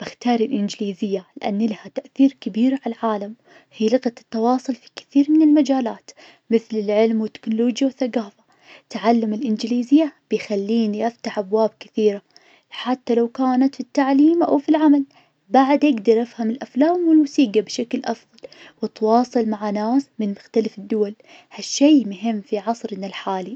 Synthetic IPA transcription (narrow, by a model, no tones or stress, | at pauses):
b̥ɪxt̪ɑːɾˤɪlʔɪnd͡ʒɪliːzɪjːalɪʔa̰nːlahat̪aʔθiːɾkɪbiːɾʕalʕaːlam | hiːlɪɣat̪t̪ːɑwɑːsˤʊlfi̥kɪ̥θiːɾmɪnɪlmad͡ʒaːlaːt̪ | mɪθlɪlʕɪlmwɪt̪ːɪ̥knʊloːd͡ʒjawɪθːaɡaːfḁ | t̪ʕalːamɪlʔɪnd͡ʒɪliːzɪjːab̥ɪjxalːiːniʔaft̪aħʔabwaːbkɪ̥θiːɾa | ħat̪ːalawkaːnat̪fit̪ːaʕliːmʔa̰wfilʕamal | baʕd̪ʔaɡd̪ɑɾˤʔafhamɪlʔaflaːmwɪlmʊsiːɡabʃaklʔɑfðˤɑl | wɪt̪wɑːsˤɨlmaʕanaːsmɪnmʊxt̪alafɪd̪ːʊwal | haʃːejmʊɦɪmːfiʕɑsˤɾɪnalħaːli